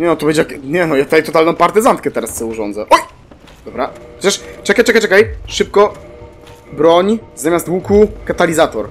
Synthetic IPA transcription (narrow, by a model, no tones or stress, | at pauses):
ɲʲɛnɔt̪ɔbɛɲd͡ʑɛjakɲɛnɔjat̪ut̪ajt̪ɔt̪alnɔ̃w̃paɾt̪ɨzant̪̚kɛt̪ɛɾast̪sɔuʐɔnd̪zɛʔɔj | d̪ɔbɾaɛ̥t͡ɕɛʂt͡ʂɛkajʈ͡ʂɛkajt͡ʂɛkajʂɘp̚kɔ | bɾɔɲzamʲjast̪wukukat̪alʲizat̪ɔɾ